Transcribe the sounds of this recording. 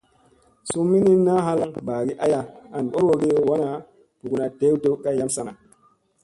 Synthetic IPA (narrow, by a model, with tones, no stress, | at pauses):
su˦mːi˦ni˦nːa˦ɦa˦la˦ŋba˨ɡi˦ʔa˦ja˦˨a˨nɓo˦ɾwo˨ɡi˦wa˦na˨ | bu˨ɡu˨na˨de˦wto˦ka˦ja˦msa˦na˨